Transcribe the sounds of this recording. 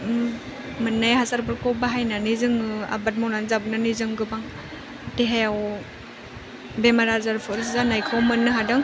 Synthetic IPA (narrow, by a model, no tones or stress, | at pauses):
mɯnːajɦasaɾbɯɾkɔbaɦajnanizɯŋɯa̰bat̚mawnanzabɯnanizɯŋɡɯbaŋ | teɦejaw | bemaɾazaɾpʰɔɾszanajkʰɔwmɯnːɯɦadɯŋ